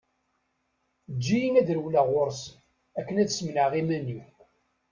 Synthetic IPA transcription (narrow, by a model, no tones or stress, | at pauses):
d͡ʒːijinæðɾəwlaʁʊɾs | ækːənæðsmnəʁimæni